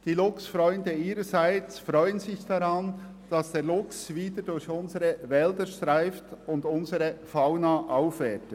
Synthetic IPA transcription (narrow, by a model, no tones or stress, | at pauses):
d̥iːlʊksfɾɔʏndəiːɾəzaɪt͡sfɾʁɔʏənzɪçd̥ɑɾɑn | d̥ɑsd̥eːlʊksviːdədʊɾçʊnzəɾəvɛldəʃtʁaɪftʊndʊnzəɾəfaʊnaʔaʊfvɛtə